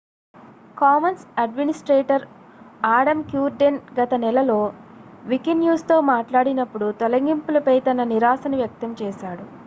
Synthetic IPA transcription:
kaːmɐnsɐɖminisʈɾeːʈɐɾ | aːɽɐmkjuːɾɖenɡɐt̪ɐnɛlɐlo̞ːʋikinjuːst̪o̞ːmaːʈlaːɽinɐpːuɽut̪ɔlɐŋɡimpulɐpɐjt̪ɐnɐniɾaːsɐnuʋjɐk̚t̪ɐmt͡ʃɛːʃaːɽu

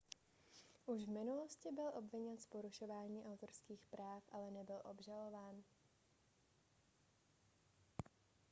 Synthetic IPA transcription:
ʔuʒvmɪnuloscɪbɪlʔo̞bvɪɲɛnspoɾuʃo̞vaːɲiːʔawt̪oɾskiːxpɾaːfʔalɛnɛbɪlʔo̞̰bʒalo̞vaːn

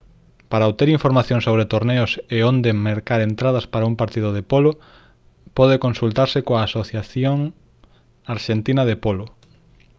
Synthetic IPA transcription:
paɾaot̪eɾiɱfoɾmaθjoŋsoβ̞ɾet̪oɾneʊseond̪emeɾkaɾent̪ɾað̞ɐspaɾaũmpaɾt̪ið̞ʊð̞epolʊ | pɔð̞ekonsult̪aɾsekoaːsoθjaθjoŋ | aɾʃent̪inɐðepolʊ

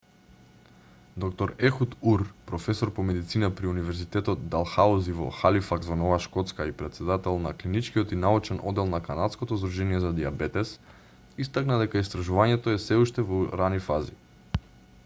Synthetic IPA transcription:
d̪ɔkt̪ɔɾɛxut̪uɾpɾɔfɛsɔɾpɔmɛd̪it̪sinapɾiunivɛɾzit̪ɛt̪ɔt̪d̪alˠxauzivɔ̰xalifaɡzvanɔvaʃkɔt̪skaipɾɛt̪sɛd̪at̪ɛlˠnaklinit͡ʃkijɔt̪inaut͡ʃɛnʔɔ̰d̪ːɛlˠnakanat̪skɔt̪ɔzd̪ɾuʒɛniɛzad̪iabɛt̪ɛs | ist̪aknad̪ɛkaist̪ɾaʒuvaɲɛt̪ɔɛsɛuʃt̪ɛvɔɾanifazi

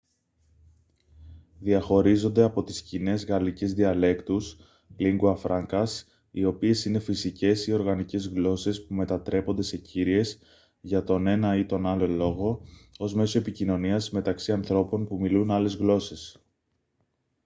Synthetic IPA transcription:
ðiɐxo̞ɾizo̞nd̪e̞ɐpo̞t̪i̥scine̞zɣɐlicezðiɐle̞kt̪us | liŋɡuɐfɾʔɐŋkɐs | io̞pie̞sine̞fisice̞sio̞ɾɣɐnice̞zɣlo̞se̞spume̞t̪ɐt̪ɾe̞po̞nd̪e̞se̞ciɾie̞s | ʝɐt̪o̞ne̞nɐit̪o̞nɐlo̞lo̞ɣo̞o̞zme̞so̞e̞picino̞niɐzme̞t̪ɐksiɐnθɾo̞po̞npumilunɐle̞zɣlo̞se̞s

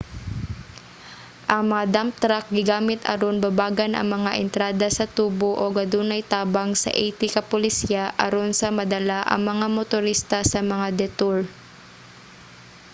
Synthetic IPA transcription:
ʔɐŋmɐŋad̪amt̪ɾak̚ɡɪɡaːmɪt̪ʔɐ̰ɾonbɐbaːɡɐnʔɐ̰ŋmɐŋaʔɛnt̪ɾaːd̪ɐsɐt̪uːboʔoɡɐd̪uːnɐjt̪aːbɐŋsɐ̰ʔɛjt̪ɪkɐpolɪsjaʔɐ̰ɾonsɐmɐd̪ɐlaʔɐ̰ŋmɐŋamot̪ʊɾist̪ɐsɐmɐŋad̪ɛt̪uɹ

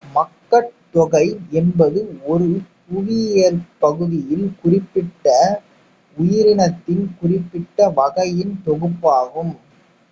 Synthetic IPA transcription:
mɐkːɐt̪ːɔɣɐɪɛnbɐðɯɔɾɯ | ʊʋɪɛɾpɐɣɯðɪjɪlkʊrɪpːɪʈːɐ | ʊjɪɾɪnɐt̪ːɪlkʊrɪpːɪʈːɐʋɐɣɐjɪnt̪ɔɣɯpːaːɣɯm

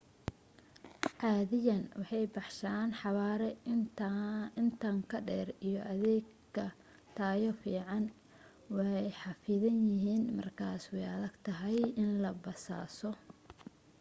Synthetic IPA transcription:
ʕɑːðɪjɐnwɑħɑjbɑħʃaːnħɑβaːɾɛ | ɪnt̪ʰaːŋkʰɐɖɛːrijɔʔɐðɛːɡ | kʰːɐ | t̪ʰaːjɔfiːʕɑn | wɑɛjħɑfɪðɐnjɪɦiːnmɐ̰rkʰaːswɛjɐðɐɡt̪ʰɐɦɛjɪnlɐbɐsa̰ːsɔ

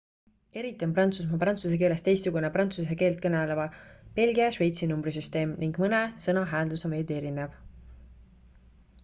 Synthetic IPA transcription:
e̞ɾit̪ːˑio̞nprɑnt̪sus̬mɑprɑnt̪suse̞ke̞ːle̞st̪e̞jst̪suɡ̥uneprɑnt̪sus̬eke̞ːlt̪̚kɤnelevɑpe̞lɡiɑʃve̞jt̪sinumbrisyst̪e̞ːmniŋɡ̥mɤnesɤnɑɦæːld̪usɑve̞ːd̪e̞ɾine̞v

